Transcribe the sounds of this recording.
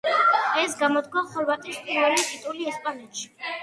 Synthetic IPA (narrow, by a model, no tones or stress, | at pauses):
ɛsɡamɔd̪ɡwaχɔɾvat̪ʼispʰʼinvɛlit̪ʼit̪ʼuliɛspʼanɛt̪ʃi̥